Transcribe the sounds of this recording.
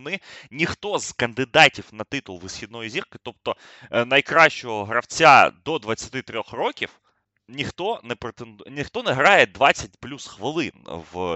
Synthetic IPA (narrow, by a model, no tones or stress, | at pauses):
nɪnʲixt̪ɔz̥kɐnd̪ɪd̪ɑtʲiwnɐt̪ɪt̪ʊlˠʋɪsxʲid̪̚nɔjizʲirkɪ̥t̪ɔpt̪ɔ | nɐjkɾɑʃt͡ʃɔɦɔɦɾɐwt͡sʲad̪ɔd̪ʋɐt͡sʲɐt̪ɪt̪ɾʲɔxrɔkʲiw | nʲixt̪ɔnɛpɾet̪end̪nʲixt̪ɔnɛɦɾɑjed̪ʋɑt͡sʲːɐtʲplʲusxʋɪlˠɪnʋ